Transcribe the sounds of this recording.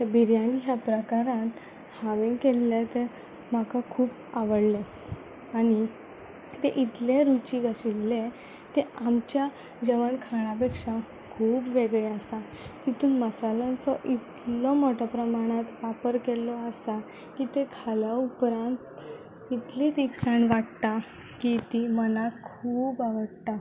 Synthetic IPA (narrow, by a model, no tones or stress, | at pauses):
bʱiɾjãniɦjapɾəkaɾãt̪ | haʋeŋkelːet̪e | makakʰuːp | aʋəɽle | aɽi | t̪eʔit̪leɾut͡ɕiɡəɕilːe | t̪eamt͡ɕja | d͡ʑəʋəɳkʰaɽ̃apekʂa | kʰuːpʋeɡɭeəsa | t̪it̪uːnməsalansɔʔit̪lɔmɔʈɔpɾəmaɽ̃at̪ʋapəɾkelɔəsa | kit̪ekʰalaupɾãnt̪ | it̪lit̪iksaɳʋaʈt̪a | kit̪imənakʰuːbaʋəɽt̪a